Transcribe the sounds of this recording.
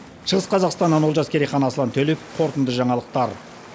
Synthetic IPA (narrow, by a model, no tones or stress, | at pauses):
ʃəʁəsqʰɑzɑqst̪ɑnːɑnwolˠʒɑskʲe̞ɾijχɑnɑsəlˠɑnt̪ʰɵlɪp̚qʰo̞ɾt̪ənd̪əʒɑɴɑlˠəq̚t̪ɑɾ